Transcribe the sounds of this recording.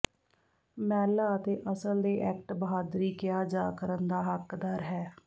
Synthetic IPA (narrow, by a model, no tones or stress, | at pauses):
mɛːlaːət̪eːʔəsəld̪eːʔɛːkʈbəɦaːd̪ɾiːkjaːd͡ʒaːkəɾənd̪aːɦəkd̪əɾɦɛː